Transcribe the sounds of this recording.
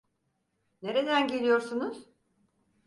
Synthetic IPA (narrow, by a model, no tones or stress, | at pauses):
ne̞ɾe̞d̪ænɟe̞lʲijo̞ɾsunuz̥